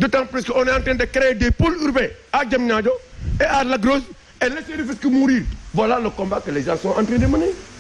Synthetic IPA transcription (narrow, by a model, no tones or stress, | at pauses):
dutãpɾiskonɛãntɾɛ̃ndɛkɛɾɛjdepoluɾbɛ | ad͡ʒamɲad͡ʒɔɛʔaɾlaɡɾos | ɛleseɾifiskimuɾiɾvalalokɔ̃mbakəlezasɔ̃ʔãntɾɛ̃ndiməni